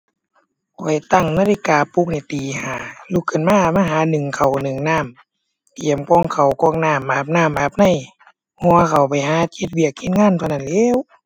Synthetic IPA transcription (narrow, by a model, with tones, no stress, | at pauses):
kʰɔː˨˩jt̪a˧˩ŋnaː˧˥˨li˧kaː˨˩pu˧˥k̚ni˧˩t̪iː˨haː˨˩˦lu˧˦kʰːɯ˧˩˨nmaː˧˥˨maː˧˩˨ɦaː˨˦nɯ˨˩ŋkʰa˨˩wnɯ˨˩ŋnaː˧˥˨m | t̪i˨˩əmkɔː˧˨ŋkʰa˨˩wkɔː˧˥˨ŋnaː˧˥˨mʔaː˧˩p̚naː˧˥˨mbaː˧p̚na˧˩˨j | hɔ˧kʰa˨˩wpa˨˩jɦaː˨˧˦ki˧t̪̚wi˧˩ək̚ʰːi˧˥n̚ŋaː˧˥˨nt̪ʰa˧˩na˧˨nlɛː˧˨w